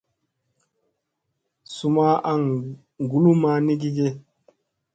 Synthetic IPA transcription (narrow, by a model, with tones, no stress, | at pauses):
su˦ma˦a˦ŋ | ŋ˨ɡu˦lu˦ma˦ni˦ɡi˦ɡe˦